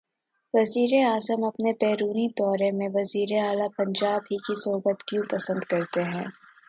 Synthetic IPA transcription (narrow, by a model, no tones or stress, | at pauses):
ʋɐziːɾeaːzəmɐpnepɛːɾuːnid̪ɔːɾemẽʋɐziːɾeaːlapɐ̃ɲd͡ʒaːbɦikisʊɦʊbət̪kjũpɐsə̃nd̪kɐɾt̪eɦɛ̃ː